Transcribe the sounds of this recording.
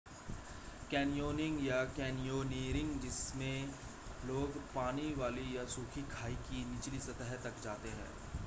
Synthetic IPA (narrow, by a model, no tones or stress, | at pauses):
kɛːnijoːnɪ̃ŋɡjakɛːnijoːniːɾɪ̃ŋɡd͡ʒɪsmẽ | loːɡpaːniʋaːlijasuːkʰikʰaːikinɪt͡ʃlisɐt̪əɦt̪ɐkd͡ʒaːt̪eɦɛ̰̃ː